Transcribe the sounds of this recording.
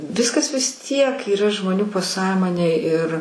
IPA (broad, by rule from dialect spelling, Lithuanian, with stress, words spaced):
ˈʋʲɪskɐs ʋʲɪs ˈtʲiɛk iːˈrɐ ʒmoːˈnʲuː pɐˈsɑːmoːnʲeːj ɪr